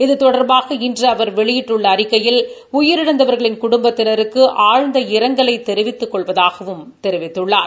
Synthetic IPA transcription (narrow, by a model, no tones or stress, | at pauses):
ɪðɯt̪ɔɽɐɾbaːɣɐɪndrɐɐʋɐɾʋɛɭɪjɪʈːɯɭːɐːɾɪkːɐjɪl | ʊjɪɾɪɽɐnd̪ɐʋɐɾɣɐɭɪnkʊɽʊmbɐt̪ːɪɾɐɾɯkːɯʔaːɻnd̪ɐɪɾɐŋɡɐɭɐɪt̪ːɛɾɪʋɪt̪ːɯkːɔɭʋɐðaːɣɐʋɯmt̪ɛɾɪʋɪt̪ːɯɭːaːɾ